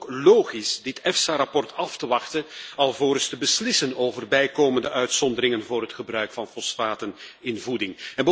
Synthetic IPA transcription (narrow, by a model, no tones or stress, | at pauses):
loːχisdɪtɛfsaɾɑpɔrtɑftəʋɑxtənɑlˠvoːɾəstəbəslɪsənoːvərbɛjkoːməndəʔœɥtsɔndəɾɪŋənvʊːɾɦətχəbrœɥkfɑnfɔsfaːtənɪnvudɪŋɛnbə